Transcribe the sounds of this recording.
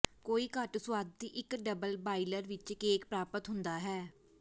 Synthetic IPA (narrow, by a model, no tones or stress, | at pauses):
koːiːkəʈsʊwaːd̪̚t̪iːʔɪkɖəbəlbaːiləɾʋɪt͡ʃkeːkpɾaːpət̪ɦʊ̃nd̪aːɦɛː